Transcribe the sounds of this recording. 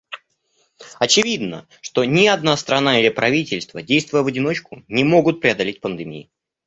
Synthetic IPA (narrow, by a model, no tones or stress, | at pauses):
ɐt͡ɕɪvʲid̪nə̰ | ʂt̪o̞nʲɪɐd̪nast̪ɾɐnaɪlʲɪpɾɐvʲitʲɪlʲst̪vədʲejst̪vʊjəvədʲɪno̞t͡ɕkʊnʲɪmo̞ɡʊt̪̚pɾʲɪɐd̪ɐlʲet̚ʲpənd̪ɨmʲḭɪ